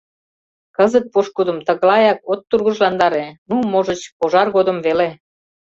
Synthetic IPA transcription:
kəzət̪̚poʃkud̪ə̆mt̪ə̆ɣlɑjɑkot̪ːurɣəʒlɑnd̪ɑɾenumoʒət͡ɕpoʒɑrɣod̪ə̆mvele

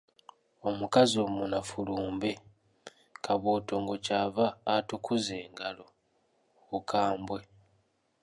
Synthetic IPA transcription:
o̞mukazio̞munafuluːmbe̞ | kʰaβoːto̞ŋɡo̞caːvaːtukʰuze̞ːŋɡalo̞ | ukʰaːmbwe̞

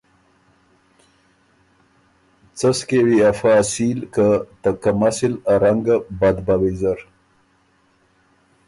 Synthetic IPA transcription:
t͡səskewiafaːsilkət̪əkamasilaɾaŋɡabad̪bawezaɾ

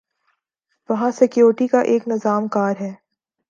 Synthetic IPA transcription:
ʋɐɦãsɛkijoːɾʈikaʔeːknɪzaːmkaːɾɦɛː

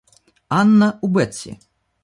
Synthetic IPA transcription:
anːɐubɛt͡sʲːḭ

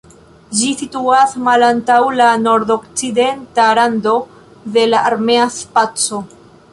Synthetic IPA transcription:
d͡ʒisituasmalantawlano̞ɾdo̞kt͡side̞ntaɾando̞ | ðe̞laʔaɾme̞aspat͡so̞

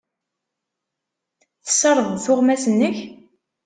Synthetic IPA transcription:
θə̥sːɑɾˤəðθʊʁmæsənːəç

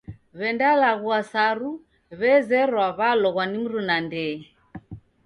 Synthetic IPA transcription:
βɛndalaɣuasaɾu | βɛzɛɾwaβalɔɣwanim̩ɾunandɛ

